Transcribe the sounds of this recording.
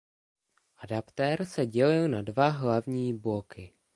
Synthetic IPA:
ʔadapt̪ɛɾsɛɟɛlɪlnadvaɦlavɲiːblokɪ

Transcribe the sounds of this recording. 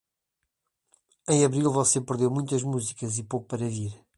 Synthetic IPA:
ẽj̃ɐβɾilˠvɔsepɨɾðewmũj̃t̪ɐʒmuzikɐzipowkupɐɾɐviɾ

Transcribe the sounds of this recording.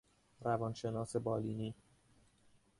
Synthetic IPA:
ɾævɒnʃe̞nɒːse̞bɒːliːniː

